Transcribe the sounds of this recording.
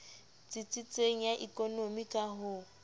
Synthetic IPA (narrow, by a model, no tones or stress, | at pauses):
t͡sʼɪt͡sʼit͡sʼeŋ̩jaʔikʼonomikʼaɦʊ